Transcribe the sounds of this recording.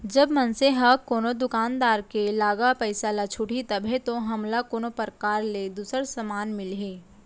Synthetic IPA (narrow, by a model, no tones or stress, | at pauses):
d͡ʒɐbmɐnseɦɐkoːnod̪ʊkaːnd̪aːɾkelaːɡapəɪsalat͡ʃʰʊʈʰit̪ɐbʱẽt̪oɦɐmlakoːnopəɾkaːɾled̪uːsəɾsɐmaːnmɪlɦẽː